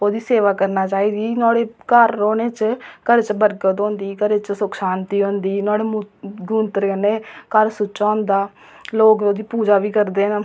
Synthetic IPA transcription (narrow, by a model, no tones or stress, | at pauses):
oːd̪iːseːʋaːkəɾnaːt͡ʃaːiːd̪iːnɔːɽeːkəɾːoːneːt͡ʃkəɾet͡ʃbəɾkət̪ɦõːnd̪iːkəɾeːt͡ʃsʊkʃaːnt̪iːɦõːnd̪iːnaːɽeːmɡuːnt̪əɾkəneːkəɾsʊt͡ʃːt͡ʃaːʊnd̪aː | loːkoːd̪iːpuːd͡ʒaːʋiːkəɾd̪eːn